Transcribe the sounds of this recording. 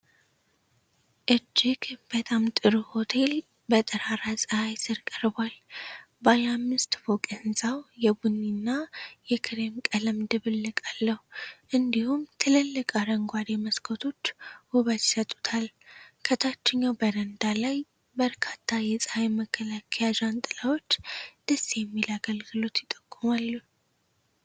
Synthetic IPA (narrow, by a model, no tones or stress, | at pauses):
ʔɨd͡ʒːɪɡb̥ət̪ʼamt̪ʼɨɾuho̞t̪ʰe̞l | bət̪ʼɨɾaɾasʼəhajsɨɾkʼəɾbwal | bajamːɨst̪fokʼəɨnsʼawjɛbunːinːajɛkʰɨɾe̞mkʼələmd̪ɨβɨlːɨkʼalːəhuʔɨnd̪ihumt̪ʰɨləlːəkʼaɾəŋɡʷad̪eməskʰot̪ʰo̞t͡ʃːwʊβəd̪isət̪ʼːu̥t̪ʰalkʰət̪ʰat͡ʃːɪɲːawbəɾənd̪alaj | bəɾkʰat̪ʰːajɛsʼaeməkʰːəlakʰəjad͡ʒant̪ʼɨlawo̞t͡ʃːd̪̥əsːijɛmːilaɡəlɡɨlo̞t̪jɪt̪ʼːəkʼːumalːu